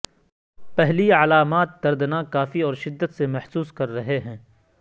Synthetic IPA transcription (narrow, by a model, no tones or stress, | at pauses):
pɛɦliəlaːmaːt̪̚d̪ɐɾd̪nakaːfiɔːɾʃɪd̪ːət̪semɛhsuːskɐɾːɐɦeɦɛ̃ː